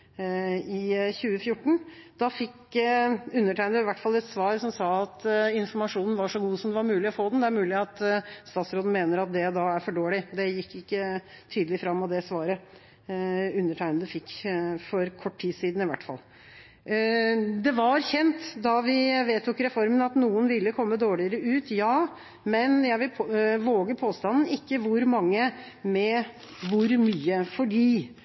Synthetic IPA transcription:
ɪçʉːəfjʊʈːɳ̩d̪̥ɑfɪkː | ʉnːəʈʰæɪnd̪əɪʋæʈːfɑlːɛt̪sʋɑːɾsɔmsɑːɑt̪ɪnfɔɾmɑʂuːnən̩ʋɑʂɔɡuːsɔmd̪ɛʋɑɾmʉːlɪɔfoːd̪ɛnd̪ɛæɾmʉːlɪɑt̪st̪ɑːt̪sɾoːd̪n̩meːnəɾɑt̪̚d̪ɛd̪ɑæɾfɔɖoːɭɪd̪ɛjɪkːɪkːə | t̪ʰyːd̪lɪfɾɑmːɑd̪ɛsʋɑːɾə | ʉnːəʈʰæɪnd̪əfɪkːfɔɾkʰɔʈːʰiːsiːd̪n̩ɪʋæ̰ʈːfɑ̰lː | d̪ɛʋɑɾçɛnt̪d̪ɑʋɪʋeːt̪ʰːʊkɾɛfɔɾmənɑt̪nuːənʋɪlːəkʰɔmːəd̪oːɭɪəɾəʉːt̪jɑː | mɛnjæɪʋɪlʰʋoːɡəpʰoːst̪ɑnn̩ɪkːəʋʊɾmɑŋːə | mɛ | ʋʊɾmyːəfɔɖiː

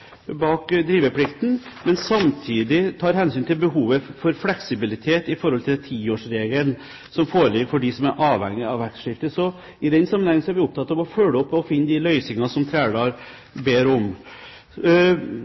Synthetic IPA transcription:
bɑːkd̪ɾiːʋəpʰlɪkt̪n̩mɛnsɑmt̪ʰiːd̪ɪt̪ʰɑːɾhɛnsyːnt̪ʰɪlbəɦuːʋəfɔɾflɛksɪbɪlɪt̪ʰeːt̪ɪfɔɾhɔlt̪ʰɪlt̪ʰiːoːʂɾeːɡəln | sɔmfoːɾəlɪɡfɔɖɪsɔmæɾʔɑːʋhɛ̰ŋːɪɑʋʋæɾkʂɪft̪əsɔ | ɪd̪ɛnsɑmːnhɛŋːənsɔæɾʋɪʊp̚t̪ʰɑt̪ːɑʋɔfœləɔpːɔfɪnːəd̪ɪlœʏsɪŋɑsɔmt̪ʰɾæːɖ̪ɑɾ | beːɾɔm

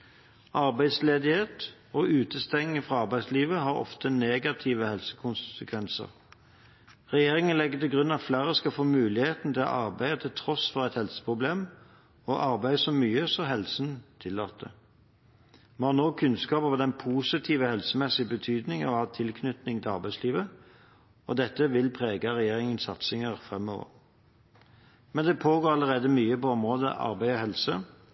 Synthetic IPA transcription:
ʔɑɾbæɪd̪sleːd̪ɪheːt̪ | ɔʔʉːt̪əst̪ɛŋːəfʁɑɑʁbæɪsliːʋəɦɑɾɔ̰ft̪əneːɡɑt̪ʰiʋəhɛlsə̥kʰʊnssəkʰʋɛnsə̰ʁ | ʁɛjeːʁɪŋənlɛɡːət̪ɪlɡʁʉnːɑt̪flæːʁəskɑlfoːmʉːlɪheːt̪n̩t̪ʰɪlɑ̰ʔɑʁbæɪət̪ʰɪlt̪ʰʁɔsfɔʁæɪt̪hɛlsə̥pʰʁʊbleːm | ɔʔɑʁbæɪəsɔmyːəsɔɦɛlsn̩t̪ʰɪlːoːt̪ə | mɛnhɑʁnoːkʰʉnskɑːpɔʋəd̪ɛnpʰuːsɪt̪ʰiːʋəhɛlsəmɛsɪbət̪ʰyːd̪nɪŋənɔʋɑːt̪ʰɪlkʰnʏt̪nɪŋt̪ʰɪlɑʁbæɪsliːʋə | ɔd̪ɛt̪ːəʋɪlpʰʁeːɡəʁɛjeːʁɪŋənsɑt̪sɪŋəʁfʁɛmːɔ̰ʋə̰ʁ | mɛnd̪ɛpʰoːɡoːɾɑləʁeːd̪əmyːəpɔɔmʁoːd̪ə̰ʔɑ̰ʁbæɪɔhɛlsə

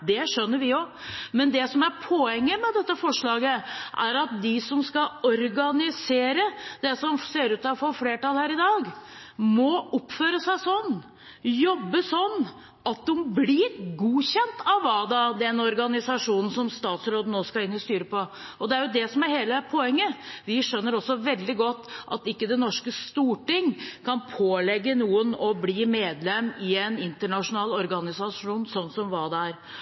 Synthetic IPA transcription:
d̪ɛʂœnːəɾʋɪo | mɛnd̪ɛsɔmæɾpʰɔɛŋːəmɛd̪ɛt̪ːəfɔʂɭɑːɡəʔæ̰ɾɑt̪̚d̪ɪsɔmskɑɔɾɡɑnɪseːɾəd̪ɛsɔmseːɾʉːt̪ɑʋfɔfleːʈɑlhæːɾɪd̪ɑːɡ | mɔʊpːføːɾəsæɪsɔnː | jɔbːəsɔnː | ɑt̪̚umblɪɾɡuːɕɛnt̪ʰɑʋʋɑd̪ɑd̪ɛnɔɾɡɑnɪsɑʂuːnn̩sɔmst̪ɑːt̪sɾoːd̪ənoːskɑɪnːɪst̪yːɾəpɔɔd̪ɛæɾjʊd̪ɛsɔmæɾheːləpʰɔɛŋːəʋɪʂœnːəɾɔsːɔʋɛld̪ɪɡɔt̪ːɑ̰t̪ɪkːəd̪ɛnːɔʂkəst̪uːʈɪŋkʰɑnpʰoːlɛɡːənuːənɔbliːmeːd̪lɛmːɪɛnɪnt̪əɳɑʂʊnɑːlɔɾɡɑnɪsɑʂuːnsɔnːsɔmʋɑːd̪æɾ

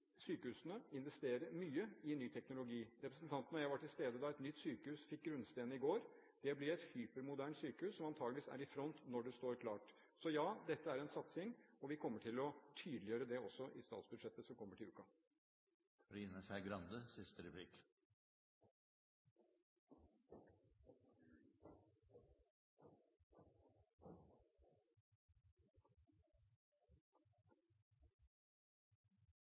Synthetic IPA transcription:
syːkəhʉːsənəɪnʋɛst̪eːɾəɾmyːəɪnːyːt̪ʰɛknʊlʊɡiːɾɛpɾəsnt̪ʰɑnt̪nɔjæɪʋɑʈʰɪlst̪eːd̪əd̪ɑɛt̪nʏt̪ːsyːkəhʉːsfɪk̚ɡɾʉnst̪eːnəɪɡoːɾ | d̪̥ɛblɪɾɛt̪hyːpəɾmʊd̪æːɳʈsyːkəhʉːsːɔmɑnt̪ʰɑːɡlɪʋiːsæ̰ɾɪfɾɔnt̪nɔɖɛst̪oːɾkʰlɑːʈ | sɔjɑːd̪ɛt̪ːəæɾɛnsɑt̪sɪŋɔʋɪkʰɔmːəʈʰɪlɔt̪ʰyːd̪lɪjøːɾəd̪ɛɔsːɔʔɪst̪ɑ̰ːt̪sbʉd̪ʂɛt̪ːəsɔmkʰɔmːəʈʰɪlʉ̰ːkɑ | ɾiːnəʂæɪɡɾɑnd̪əsɪst̪əɾɛpʰlɪk

